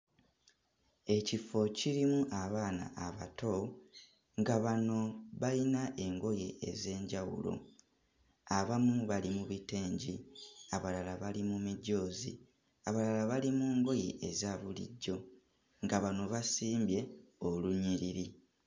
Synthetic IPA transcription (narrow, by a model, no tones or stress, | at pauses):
e̞cifo̞ciɾimuʔaβaːna̰ʔːβa̰to̞ | ŋɡaβano̞βalinaʔe̞ŋɡo̞je̞ḛze̞ːɲɟawṵlo̰ | aβamuβalimuβiteːɲɟiaβalalaβalimumiɟːo̞ːzḭ | aβalalaβalimuːŋɡo̞jḛʔezaːβulḭɟːo̞ | ŋɡaβano̞βasiːmbje̞oluɲiɾiɾi